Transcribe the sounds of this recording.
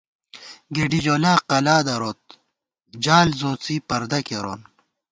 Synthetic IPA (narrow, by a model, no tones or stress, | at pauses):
ɡeɖid͡ʑoːlaːqɐlaːd̪ɐɾoːt̪̚ | d͡ʑaːlzõːt͡siːpɐɾd̪ɐkeɾo̰ːn